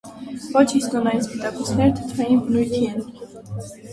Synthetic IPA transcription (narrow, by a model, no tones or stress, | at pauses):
vɔt͡ʃʰist̪ʼɔnaispit̪ʼakʼusnɛɾt̪ʰə̥t̪ʰɾɛimbnujt̪ʰiɛn